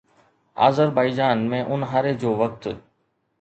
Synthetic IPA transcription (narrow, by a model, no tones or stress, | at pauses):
a̰ːzəɾbaːɪd͡ʒaːnmẽːʔʊnɦaːɾed͡ʒoːʋək̚t̪